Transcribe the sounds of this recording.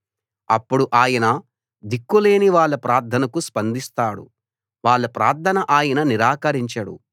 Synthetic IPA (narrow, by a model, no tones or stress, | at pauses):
ɐ̰pːuɽuʔaːjɐnɐ | d̪ikːule̞ːniʋaːɭːɐpɾaːɾd̪ʱʰɐnɐkuspɐnd̪ist̪aːɽṵ | ʋaːɭːɐpɾaːɾt̪ʰːɐnɐʔaːjɐnɐniɾaːkɐɾiɲt͡ʃɐɽṵ